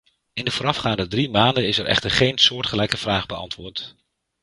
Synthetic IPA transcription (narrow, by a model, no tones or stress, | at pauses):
ɪndəvʊːɾɑfχaːndədrimaːndənɪsɛɹʔɛ̰χtəɹχejnsʊːɹtχəlɛjkəv̥raːχbəɑ̰ntʋʊːɹt